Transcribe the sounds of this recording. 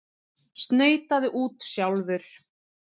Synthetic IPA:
st̪neːjt̪aðɪʔuːt̪sjawlvʏɾ̥

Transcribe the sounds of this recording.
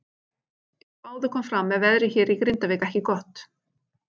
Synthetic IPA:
aːwðʏkʰɔːmfɾamːɛðvɛðɾɪçɛːɾikɾɪnt̪avɪkɛhcɪkɔht̪

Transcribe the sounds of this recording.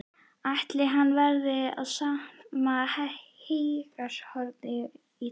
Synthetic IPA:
aht̪lɪɦanːvɛɾðɪa̰ðsamahahejkashɔɾt̪ɪ | i

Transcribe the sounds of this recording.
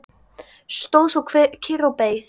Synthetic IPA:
st̪oːwsɔwkʰvcʰirawpeːjθ

